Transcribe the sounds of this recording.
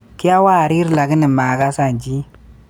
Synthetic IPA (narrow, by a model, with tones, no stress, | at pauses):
ki˦ja˦wa˦˨ɾi˦ɾla˨ɡi˦ni˨ma˨ɡa˦sa˨nd͡ʒi˦